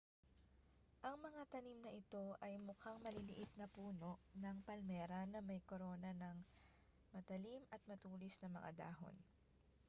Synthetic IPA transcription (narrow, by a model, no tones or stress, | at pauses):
ʔɐŋmɐŋat̪ɐnimnɐʔɪt̪o̞ʔɐjmʊkaŋmɐlilɪʔɪt̪̚nɐpuːno̞ʔnɐŋpɐlmɛːɾɐnɐmɐjkoɾo̞ːnɐnɐŋ | mɐt̪ɐlimɐt̪̚mɐt̪uːlɪsnɐmɐ̰ŋʔa̰d̪a̰ːɦo̞̰n